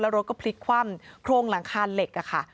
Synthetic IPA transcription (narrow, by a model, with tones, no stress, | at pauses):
lɛː˦˥wɾo˦˥t̚kɔː˥˩pʰli˦˥kʰwa˥˩mkʰɾoː˧ŋla˩˦ŋkʰaː˧nle˨˩k̚ʔa˨˩kʰa˥˩